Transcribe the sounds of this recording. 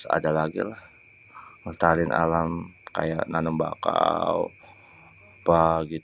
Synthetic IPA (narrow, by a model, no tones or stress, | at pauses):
sa̰dalaɡḭlah | ət̪alɪnʔa̰lamka̰ja̰ʔnanəmba̰kaw | paɡit̪